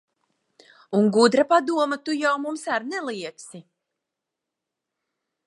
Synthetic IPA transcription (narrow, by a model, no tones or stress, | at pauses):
uŋɡud̪ɾapad̪uɔmat̪ujawmumsaɾnɛlˠiɛksi